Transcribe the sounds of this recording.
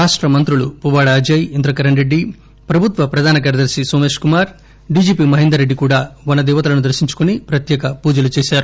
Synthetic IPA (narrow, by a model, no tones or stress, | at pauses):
ɾaːʂʈɾɐmɐnt̪ɾuɭupuʋaːɽɐːd͡ʒɐjind̪ɾɐkɐɾɐɳɾeɖːi | pɾɐbʱut̪ʋɐpɾɐd̪ʱaːnɐkɐːɾɐd̪ɐɾsisoːmeːʂkumaːɾ | ɖiːd͡ʒiːpiːmɐɦind̪ɐɾːeɖːikuːɽaːʋɐnɐd̪ɛːʋɐt̪ɐlɐnud̪ɐɾʃiɲt͡ʃu̥konipɾɐt̪jɛːkɐpuːd͡ʒɐlut͡ʃeːʃaːɾu